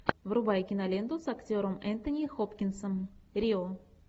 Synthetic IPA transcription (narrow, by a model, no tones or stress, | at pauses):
vrʊbajkʲɪnɐlʲend̪ʊsaktʲoɾəmɛnt̪ənʲixopkʲɪnsəmɾʲio